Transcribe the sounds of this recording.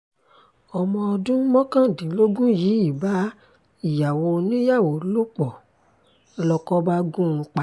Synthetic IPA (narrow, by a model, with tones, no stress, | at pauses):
ɔ˧mɔ̃˧ɔ˧dũ˦mɔ̃˦kã˦˨dĩ˨˦lo˦ɡũ˦ji˨˦i˦˨ba˨˦ | i˦˨ja˨wo˧nĩ˦ja˦˨wo˨˦lo˦k͡pɔ˨˧ | lɔ˧kɔ˧ba˦ɡũ˦˧k͡pa˨